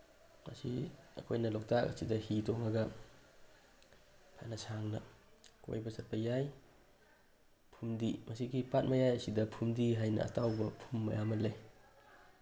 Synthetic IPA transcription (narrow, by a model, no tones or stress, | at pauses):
ma̰siɐ̰kʰojnɐlɔk̚takɐ̰sidɐhitɔŋaɡɐ | pʰa̰nɐsaŋnɐko̰jbɐsɐɾpʰajaj | pʰumdimɐsiɡipat̚mɐjajɐsidɐpʰumdiɦajnɐ̰ːtawbɐpʰumːɐ̰jamɐnle